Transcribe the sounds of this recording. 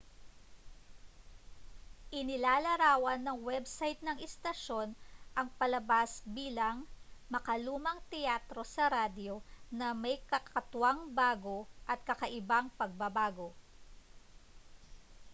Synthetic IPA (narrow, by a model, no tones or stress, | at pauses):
ʔɪnɪlaːlɐɾaːwɐnːɐŋwɛbsajt̪̚nɐŋɛst̪ɐʃo̞nʔɐŋpɐlɐbasbiːlɐŋmɐkɐluːmɐŋt̪ɛjaːt̪ɾo̞sɐɾad̪jo̞nɐmɐjkɐkɐt̪waŋbaːɡo̞ʔɐt̪̚kɐkɐʔɪbaŋpɐɡ̚bɐbaːɡo̞